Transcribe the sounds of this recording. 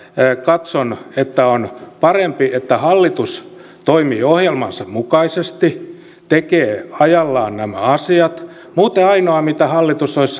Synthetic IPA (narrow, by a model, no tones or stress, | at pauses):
kɑt̪sonet̪ːæonpɑrempiʔet̪ːæhɑlːit̪ust̪oimiːohjelmɑ̰nsɑmmukɑisest̪i | t̪ekeːɑjɑlːɑːnnæmæ̰ɑsiɑt̪ | muːt̪eɑinoɑmit̪æhɑlːit̪usois